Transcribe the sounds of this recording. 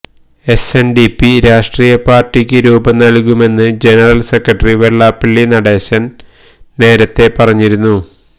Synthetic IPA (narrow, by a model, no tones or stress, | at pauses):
e̞senɖipːiɾaːʂʈriːjɐpaːrʈːikʲːɨɾuːbɐnɐlkume̞nːɨd͡ʑe̞nɐrɐlse̞krɐʈːɐriʋeɭːaːpːiɭːinɐɽe̞ːɕɐn | ne̞ːɾɐt̪ːe̞pɐrɐɲːiɾunːu